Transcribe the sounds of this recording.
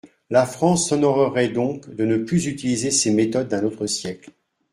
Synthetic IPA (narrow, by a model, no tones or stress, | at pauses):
lafχɑ̃sɔnɔʁəʁɛd̪ɔ̃kd̪ənəplyzyt̪ilizesemet̪ɔd̪̚ːɛ̃not̪χəsjɛkl